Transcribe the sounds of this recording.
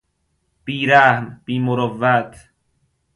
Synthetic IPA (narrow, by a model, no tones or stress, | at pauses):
b̥iːɾæhmb̥iːmoɾɔvːæt̪ʰ